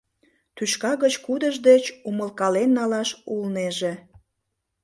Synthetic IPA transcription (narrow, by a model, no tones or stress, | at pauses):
t̪yʃkɑɣət͡ɕkud̪əʒd̪et͡ɕuməlkɑlenːɑlɑʃulneʒe